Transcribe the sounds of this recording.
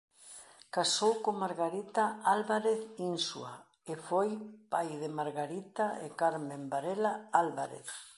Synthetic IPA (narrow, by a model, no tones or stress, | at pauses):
kasowkomaɾɣaɾit̪aalβaɾeθinsua | efojpajðemaɾɣaɾit̪aḛkaɾmẽmbaɾelaalβaɾḛθ